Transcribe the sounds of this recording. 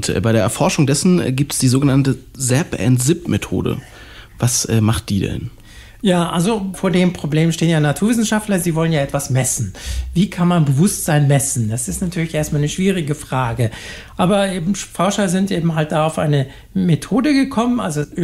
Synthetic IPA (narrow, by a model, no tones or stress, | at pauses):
ʔʊntʔɛːbaɪɾeɐɛɐfɔɐʃʊŋdɛsn̩ɛ̰ɡiːp̚tsd̥iːzoːɡənantə | zɛpʔɛ̰ntz̥ɪpmetʰo̰ːdə̰ | vasʔɛːmaχt̚d̥iːdɛ̰n | jaːʔalzofoːɐdeːmpʁ̥obleːmʃteːənjaːnatʰuɐvɪsn̩ʃaftlɐziːvɔlənjaːʔɛtv̥asmɛsn̩viːkʰanmanbəvʊstz̥aɪnmɛsn̩dasɪstnatʰyːɐlɪçʔeːɐstmaːlnəʃv̥iːʁɪɡəfʁ̥aːɡəʔaːbɐʔeːbm̩fɔɐʃɐzɪntʔeːbm̩ɦalt̚d̥aːaʊfʔa̰ɪnə | metʰoːdəɡəkʰɔmənʔa̰lzo